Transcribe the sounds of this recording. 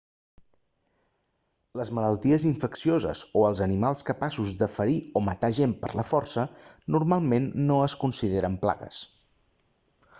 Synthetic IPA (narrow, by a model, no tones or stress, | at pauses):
ləzmələlˠt̪iəziɱfəksiozə̰zoəlˠzənimalˠskəpasuzd̪əfəɾiomət̪aʒempə̰ɾləfɔrsənuɾmalˠmenːoəskunsiðeɾəmpla̰ɣə̰s